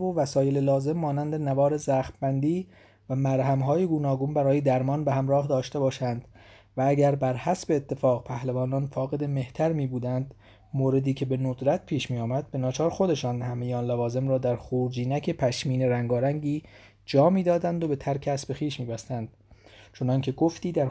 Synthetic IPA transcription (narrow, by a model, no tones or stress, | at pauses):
vovæsɒːje̞lelɒːze̞mːɒːnænd̪e̞nævɒːɾe̞zæːxt̪bænd̪iː | væmæɾɦæmɦɒːjeɡuːnɒːɡombæɾɒːje̞d̪æɾmɒːnbe̞hæmɾɒːhd̪ɒːʃt̪e̞bɒːʃænd̪̥ | vææɟæɾbæɾhæsbe̞ːt̪ʰːe̞fɒːɣpʰæhlevɒːnɒːnfɒːɣe̞d̪e̞me̞ht̪ʰæɾmiːbuːd̪ænd̪ | moːɾe̞d̪iːcʰe̞be̞nod̪ɾæt̪̚pʰiːʃmiːjɒːmæd̪̚be̞nɒːt͡ʃʰɒːɾxod̪e̞ʃɒːnhæme̞jeɒːnlævɒːze̞mɾɒːd̪æɾxuːɾd͡ʒiːnæcʰepʰæʃmiːne̞ɾæŋɡɒːɾæŋɟiː | d͡ʒɒːmiːd̪ɒːd̪ænd̪o̞be̞t̪ʰæɾkʰeæsbe̞xiːʃmiːbæst̪ænd̪̥ | t͡ʃʰo̞nɒːŋcʰe̞ɡoft̪iːd̪æɾ